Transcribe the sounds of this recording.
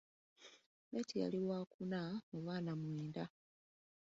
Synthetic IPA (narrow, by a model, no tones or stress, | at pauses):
βetija̰liwaːkunamoβwaːnamwiːnda